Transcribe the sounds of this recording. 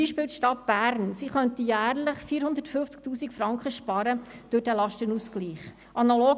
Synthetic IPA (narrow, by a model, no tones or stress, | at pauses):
iːʃpɪːltʃtɑt̚b̥æːɾnsiχœnt̪ijæːɾləχfiːɾhʊnd̪əɾtfɵft͡sk̚tuːsikfɾɑŋkχəʃpɑɾəd̥ʊɾdɛlɑʃtənuskliːχ | ʔɑnɑloː